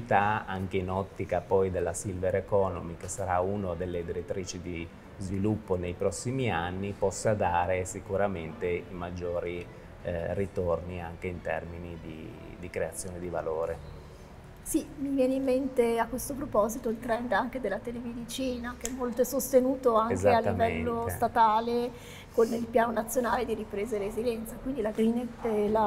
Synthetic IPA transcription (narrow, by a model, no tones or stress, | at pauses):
t̪aaŋk̟einɔt̪ːikapɔjd̪elːasilveɾekɔno̰mik̟esaɾaunod̪elːed̪iɾet̪ːɾiːt͡ʃid̪i | zvilupːonejpɾɔsːimianːipɔsːad̪aːɾesikuɾament̪eimad͡ʒːoːɾi | rit̪orniaŋk̟eint̪ɛ̰rminid̪ḭ | d̪ikɾeat̪sːjoːned̪iva̰loːɾe | simivjɛːneimːent̪eakːwest̪opɾopɔzit̪oilt̪ɾɛnd̪aŋk̟ed̪elːat̪elemed̪it͡ʃiːnakeɛmːolt̪oɛsost̪enuːt̪oaŋkealːivɛlːost̪at̪aːle | konːilpjaːnonat̪sːjonaːled̪iɾipɾeːzeɾezid̪ɛnt̪sakwind̪ilaɡɾineɛla